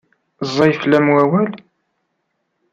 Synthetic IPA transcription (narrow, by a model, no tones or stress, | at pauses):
zˤːɑjflæmwæwæl